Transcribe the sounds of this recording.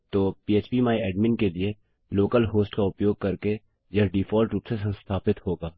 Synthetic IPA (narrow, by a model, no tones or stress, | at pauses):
t̪oːpiːeːt͡ʃpimaːiɛːɖmɪ̃nkelie | loːkəlɦoːsʈkaʊpjoːɡ̚kɐɾke | jɐɖiːfʰɔːlʈɾuːpsesɐ̃nst̪ʰaːpɪt̪ɦoːɡaː